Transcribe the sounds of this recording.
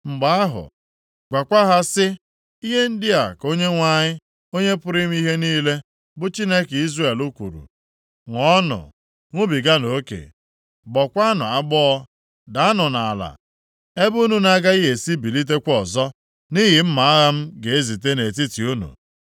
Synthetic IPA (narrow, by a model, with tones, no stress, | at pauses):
ŋ͡m̩˨ɡ͡ba˦a˦ɦʊ̰˨ | ɡʷa˨kʷa˦ɦa˦sɪ˦ | i˦ɦe˦n̩˦dɪ˦a˨ko˦ɲe˦ŋʷa˦˨ɲɪ˦ | o˦ɲe˦pʊ˦ɾɪ˦m̩˦i˦ɦe˦niː˦le˦ | bʊ˦t͡ʃi˦ne˦ke˨i˦zre˦˨e˨lu˦kʷṵ˨ɾṵ˨ | ŋʷɔ˦nʊ̰˨ | ŋʷʊ˦bi˨ɡa˦no˨˦kḛ˨ | bɔ˨kʷa˦nʊ̰˨a˦ɡ͡bɔ˦ɔ˦ | da˨a˦nʊ˨na˨a˨la̰˨ | e˦bu˦nu˦na˦ɡa˦i˦ɦe˨si˦bi˨li˦t̬e˦kʷɔ˨zɔ˦ | ni˦ɦɪ˨m̩˦ma˨a˦ɣa˦m̩˦ɡe˨e˦zi˨t̬e˦ne˨t̬i˦ti˨u˦nṵ˨